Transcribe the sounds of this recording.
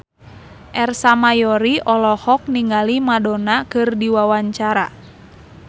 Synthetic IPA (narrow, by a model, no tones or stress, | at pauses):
ʔɛrsamajɔɾiʔɔlɔhɔk̚niŋɡalimadɔnakɨrdiwawaɲt͡ʃaɾa